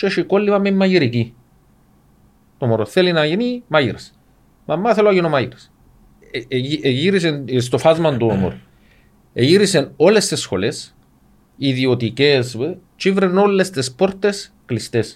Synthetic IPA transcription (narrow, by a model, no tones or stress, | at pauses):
ʃeʃikolːivɐmemːɐjiɾiki | t̪omoɾoθelinɐinimajiɾɐs | mʔɐmːaθeloaʝinomajiɾɐs | iɾis̬ens̬t̪ofazmɐnd̪omo̰ɾo | ejiɾiseno̞lest̪isxo̰les | iðiot̪ikes | t͡ʃivɾenolːest̪espoɾt̪esklist̪es